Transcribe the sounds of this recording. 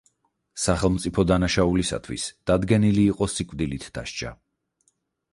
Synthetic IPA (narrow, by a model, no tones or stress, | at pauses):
saχɛlˠmt̪sʼipʰɔd̪anaʃaulisa̰t̪ʰwḭsd̪̥ad̪ɡɛniliːqʼɔsikʼvd̪ilit̪ʰd̪̥a̰ʃt͡ʃʰʼa̰